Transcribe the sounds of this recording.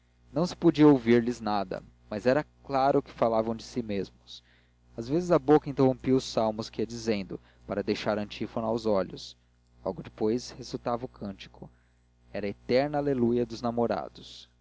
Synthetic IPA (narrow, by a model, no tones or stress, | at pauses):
nɐ̃w̃sɪ̥pod͡ʒiɐowviɾlɪznad̪ɐ̰ | mazɛɾɐklaɾʊkɪ̥falavɐ̃w̃d͡ʒɪsimezmʊs | azvezɪzɐbokɐĩnt̪ehõpiʊsawmʊskiiɐd͡ʒizẽnd̪ʊ | paɾɐd̪ejʃaɾɐ̃nt͡ʃifonawzɔʎʊs | lɔ̰wɡʊd͡ʒɪpojshezut̪avɐʊkʰɐ̃nt͡ʃi̥kʰʊ | ɛɾɐet̪ɛɾnɐalelujɐd̪ʊznamoɾa̰d̪ʊs